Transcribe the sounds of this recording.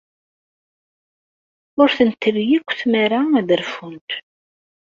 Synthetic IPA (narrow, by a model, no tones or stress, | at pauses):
ʊɾθənt̪ːəvjikʷːθmaɾaðəɾfunt̪